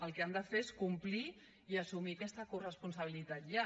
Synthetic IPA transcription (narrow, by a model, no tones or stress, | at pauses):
əlˠkeand̪əfeeskumpli | iəsumiakɛst̪əkurəspuns̬əβ̞ilit̪at̪̚ʎa